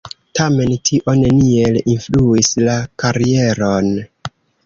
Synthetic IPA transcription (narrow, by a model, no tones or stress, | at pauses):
tame̞ntʰiʔo̞ne̞nielinfluislakaɾie̞ɾo̞n